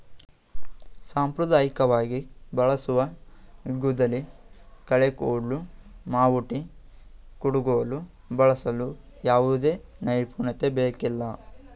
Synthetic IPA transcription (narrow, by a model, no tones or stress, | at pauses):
saːmpɾud̪aːjikɐʋaːɡibɐɭɐsuʋɐ | ɡud̪ɐlikɐɭekoːɽlumaːʋuʈi | kuɽuɡoʋɐlu | bɐɭɐsɐlu | jaːʋud̪e̞ːnɐjpuːɳɐt̪ebeːkilːɐ